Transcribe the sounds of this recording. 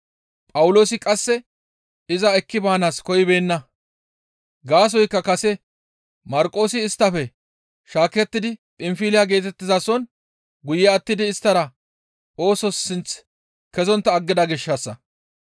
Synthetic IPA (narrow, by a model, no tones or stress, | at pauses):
pʼɐwʊlo̞ːsɪkʼɐsːɛ | ɪzɐɛkːɪbaːnaːskɔjɪbe̞ːnːɐ | ɡaːs̬ɔjkːɐkɐsɛ | mɐɾkʼo̞ːsɪːst̪ːɐfɛ | ʃaːkɛt̪ːɪd̪ɪpʼɪmfiːlɪjaɡe̞ːt̪ɛt̪ːɪzɐsɔn | ɡʊjɛɐt̪ːɪd̪ɪːst̪ːɐɾɐ | o̞ːsɔsːɪnt͡s | kɛzɔnt̪ːɐːɡːɪd̪ɐɡɪʃːɐsːɐ̰